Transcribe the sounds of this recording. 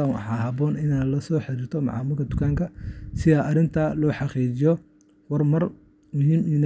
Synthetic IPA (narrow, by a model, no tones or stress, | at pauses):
awɑ̰ħɑːɦɐbɔːnɪnaːlɐsɔːħɪɾiːrt̪ʰɔmɑ̰ʕɑ̰ːmʊːlkʰɐd̪ʊkʰaːŋkʰɐsɪðɐʔɐɾɪnt̪ʰɐlɔːħɑqiːt͡ʃɪjɔ | wɐrmɐr | mʊɦiːmin